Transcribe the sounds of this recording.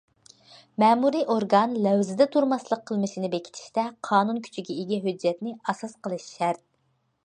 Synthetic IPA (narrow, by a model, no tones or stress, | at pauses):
mɛːmuɾiʔoɾɡɑnlɛwzɪd̪ɛt̪ʰuɾmɑslˠəqʰːəlˠmɨʃinɪbekʲi̥t̪ʰi̥ʃt̪ɛqʰɑːnunkʲʰy̥t͡ʃʰiɡʲɛiɡʲɛɦød͡ʒːɛt̪nɪɑsɑsqəlˠɨʃʃæɾt̪̚